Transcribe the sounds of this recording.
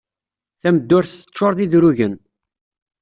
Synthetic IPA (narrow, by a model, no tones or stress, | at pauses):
θæməd̪ːʊɾθə̥t͡ʃːʃːoɾðiðɾʊʝən